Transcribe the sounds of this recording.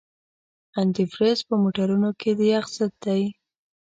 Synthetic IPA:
ant̪ifɾezpəmoʈaɾunoked̪əjaxsat̪̚d̪aj

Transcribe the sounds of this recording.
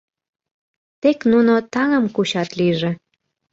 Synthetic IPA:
t̪eknunot̪ɑŋəmkuɕɑt̪liʒĕ

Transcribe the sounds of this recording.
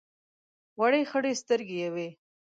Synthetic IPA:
waɽexəɽest̪əɾɡejawe

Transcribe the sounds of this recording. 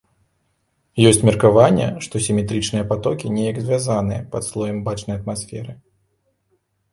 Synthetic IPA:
jɔsʲt͡sʲmʲɛrkavanʲːɛ̰ʂt̪ɔsʲimʲɛt̪ɾɨt͡ʂnɨjɐpat̪ɔkʲinʲɛjɐɡzʲvʲazanɨjɐ̰pɐt̪slˠɔjɐmbat͡ʂnɐjɐt̪̚masfʲɛɾɨ

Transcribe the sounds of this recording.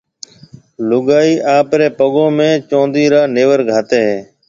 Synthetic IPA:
lʊɠaːiːʔaːpɾeːpəɠõːmẽːt͡ʃõːnd̪iːɾaːneːʋəɾɡʱaːt̪eːɦeː

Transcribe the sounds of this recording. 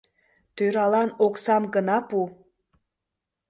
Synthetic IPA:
t̪øɾɑlɑnoksɑmɡənɑpu

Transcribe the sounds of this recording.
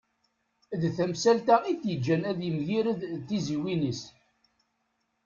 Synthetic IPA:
ðθæmsælt̪æiθjəd͡ʒːænæðjəmʝiɾəðt̪ːiziwinis

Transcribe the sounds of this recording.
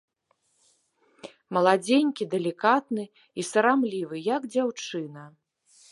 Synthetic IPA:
mɐlˠad͡zʲenʲkʲid̪ɛlʲikat̪nɨ | isɐɾamlʲivɨjaɡd͡zʲawt͡ʂɨnɐ

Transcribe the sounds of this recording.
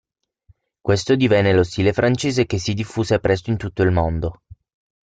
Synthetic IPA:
kwest̪od̪ivɛnːelost̪iːlefɾant͡ʃeːzekes̬ːid̪ifːuːzepɾɛst̪oint̪ut̪ːoilmond̪o

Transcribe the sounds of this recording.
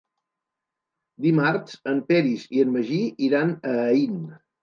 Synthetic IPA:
d̪imaɾsəmpɛɾiziənməʒiiɾanəːin

